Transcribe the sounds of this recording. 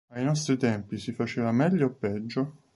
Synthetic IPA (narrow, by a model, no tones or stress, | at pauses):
ajnɔst̪ɾit̪ɛmpisifat͡ʃeːvamɛʎːoepːɛd͡ʒːo